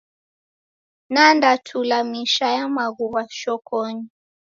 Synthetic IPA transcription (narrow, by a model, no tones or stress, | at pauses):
nandatʰulamiʃajamaɣuβaʃɔkɔɲi